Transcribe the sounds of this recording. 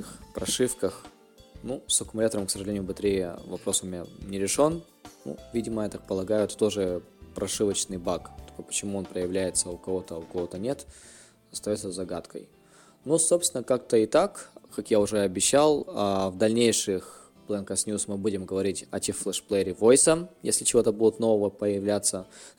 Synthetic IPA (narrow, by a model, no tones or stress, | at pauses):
ɨxpɾɐʂɨfkəx | nusɐkʊmʊlʲat̪əɾəmksəʐɨlʲenʲɪjʊbɨst̪ʲɾʲejəvɐpɾo̞sʊmʲnʲenʲɪɾʲɪʂo̞n | nṵvʲidʲɪməɛt̪ək̚pəlˠɐɡajʊt̪t̪o̞ʐɨ | pɾʔɐʂɨvət͡ɕnɨjbakt̪okəpə̥t͡ɕɪmuonpɾəjɪvlʲæjɪt̪səʊkɐvo̞t̪əʊkɐvo̞t̪ənʲe̞t̪ | ɐst̪ɐjot̪səzɐɡat̪kə̰j | nusopst̪ʲɪnəkak̚t̪əɪt̪akkakjaʊʐɛɐbʲɪɕːalˠavd̪ɐlʲnʲejʂɨx | plˠɛnkəsnʲjusmɨbudʲɪmɡəvɐɾʲitʲɐ̰tʲɪflˠɛʂplˠɛɾʲɪvo̞jsəjḛsʲlʲɪt͡ɕɪvo̞t̪əbudʲɪt̪no̞vəvəpəjɪvlʲat̪sːə